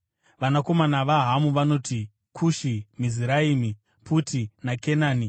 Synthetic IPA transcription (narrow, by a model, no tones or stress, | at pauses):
ʋanako̞manaʋaɦamuʋano̞ːti | kʰuʃimiziɾaiːmi | pʰutinakenaːni